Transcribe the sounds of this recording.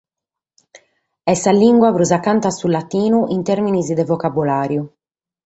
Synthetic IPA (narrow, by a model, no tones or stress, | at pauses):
ɛsaliŋɡwapɾuzakːant̪asulat̪iːnuʔint̪eɾminizid̪ɛvɔkabulaːɾju